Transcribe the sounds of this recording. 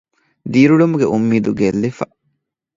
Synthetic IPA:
d̪iːɾuɭumuɡeʔumːiːd̪uɡelːifɐ

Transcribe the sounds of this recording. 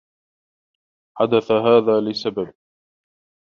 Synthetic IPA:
ħad̪aθaɦaːðaːlɪsabab̚

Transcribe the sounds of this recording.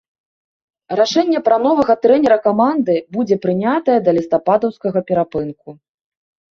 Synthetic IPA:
raʂɛnʲːɛpɾɐn̪ɔvɐɣɐt̪ɾɛnʲɛɾɐkamand̪ɨbud͡zʲɛpɾɨnʲat̪ɐjɛd̪ɐlʲist̪apad̪ɐwskɐɣɐpʲɛɾapɨnku

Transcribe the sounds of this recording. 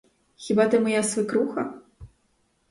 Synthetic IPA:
xʲibat̪ɨmɔjasvɨkɾuxɐ

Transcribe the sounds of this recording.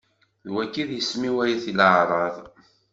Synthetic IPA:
ðwækːiðjəsmiwæjiθiləʕɾˤɑðˤ

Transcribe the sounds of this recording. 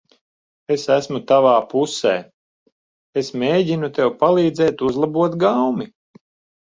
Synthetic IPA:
esæsmut̪avaːpusɛː | esmʲeːɟinut̪ewpalˠiːd̪zɛːt̪uzlˠabuɔt̪ɡawmi

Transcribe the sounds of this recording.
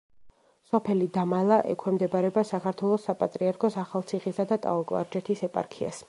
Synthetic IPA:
sɔpʰɛlid̪amalˠaʔɛ̰kʰwɛmd̪ɛbaɾɛbasakʰaɾt̪ʰwɛlˠɔsːapʼat̪ʼɾiaɾkʰɔsaχalˠt̪sʰiχisad̪at̪ʼa̰ɔkʼla̰ɾd͡ʒɛt̪ʰisɛpʼa̰ɾkʰia̰s

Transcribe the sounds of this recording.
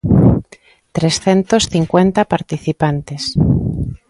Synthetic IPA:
t̪ɾesθent̪osθiŋkwent̪apaɾt̪iθipant̪es

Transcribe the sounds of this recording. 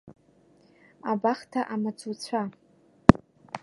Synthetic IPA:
abaχtʰaʔamat͡sʷʰut͡sʷʰa

